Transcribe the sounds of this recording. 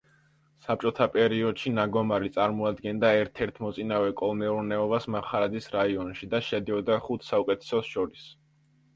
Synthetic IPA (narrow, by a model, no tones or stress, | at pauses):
sap̚t͡ʃʼɔt̪ʰapʼɛɾiɔd̪̥ʃinaɡɔmaɾit̪sʼaɾmɔad̪ɡɛnd̪aɛɾt̪ʰɛɾt̪ʰmɔt̪sʼinavɛkʼɔlˠnɛuɾnɛɔbasmaχaɾad̪zisɾaiɔnʃid̪aʃɛd̪iɔd̪aχut̪ʰsaukʼɛt̪ʰɛ̥sɔsʃɔɾis